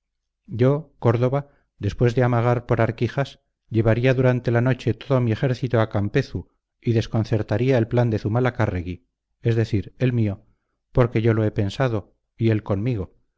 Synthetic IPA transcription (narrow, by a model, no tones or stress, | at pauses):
ɟ͡ʝo̞ko̞ɾðo̞βa | ðe̞spwe̞zðe̞amaɣ̞aɾpo̞ɾaɾkixas | ʎe̞βaɾiaðuɾant̪e̞lano̞t͡ʃe̞t̪o̞ðo̞mie̞xe̞ɾθit̪oakampe̞θu | iðe̞sko̞nθe̞ɾt̪aɾiae̞lpland̪e̞θumalakareɣi | e̞zðe̞θiɾe̞lmio̞ | poɾke̞ʝo̞lo̞e̞pe̞nsað̞o̞ | ie̞lko̞nmiɣ̞o̞